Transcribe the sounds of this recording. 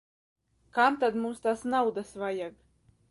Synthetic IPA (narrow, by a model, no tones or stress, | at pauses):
kamt̪ad̪mumst̪aːsnawd̪asvajaɡ